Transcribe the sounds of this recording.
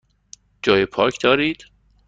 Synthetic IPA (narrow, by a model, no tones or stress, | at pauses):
d͡ʒɒːjepʰɒːcʰd̪̥ɒːɾiːd̪̥